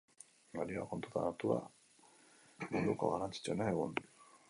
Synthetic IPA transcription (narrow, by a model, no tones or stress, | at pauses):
ɡalioa̰kont̪ut̪a̰nat̪ua̰ | muðuko̞̰ɣaɾant͡si̥t͡suenaeɣṵn